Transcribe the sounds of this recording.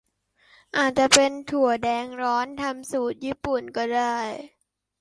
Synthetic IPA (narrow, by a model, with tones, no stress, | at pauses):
ʔaː˨˩t̪̚t͡ɕa˨˩pe˧nt̪ʰu˨˩ədɛː˧ŋɾɔː˦˥nt̪ʰa˧msuː˨˩t̪̚jiː˥˩pu˨˩nkɔː˧˩ɾaː˧˩j